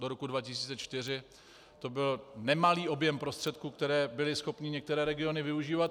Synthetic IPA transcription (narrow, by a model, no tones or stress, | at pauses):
doɾo̞kudvacɪsiːt͡sɛt͡ʃt̪ɪr̝ɪ | t̪o̞bɪlnɛmaliːo̞bjɛmpɾo̞st̪r̥ɛt̪kuːkt̪ɛɾɛːbɪlɪsxo̞pɲɪɲɛk̚t̪ɛɾɛːɾɛɡɪo̞nɪvɪuʒiːvat̪